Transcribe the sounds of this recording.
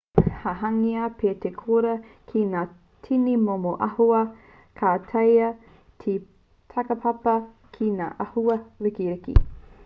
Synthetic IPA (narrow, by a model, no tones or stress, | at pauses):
hɐɦɐŋiapʰeːtekʰoɾɐkʰinaː | tʰinimomoʔɐhuɐ | kʰaːtʰɐjɐ | tʰi | tʰɐkɐpʰɐpɐ | kʰina̰ːʔɐhuɐɾikiɾɪkḭ